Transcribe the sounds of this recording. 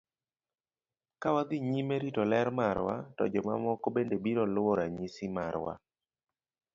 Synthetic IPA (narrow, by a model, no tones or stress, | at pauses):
kawad̪ɪɲimeɾitɔlɛɾmaɾwa̰tɔ̰d͡ʒɔma̰mɔkobendebiɾɔlɔɾaɲisima̰ɾwa̰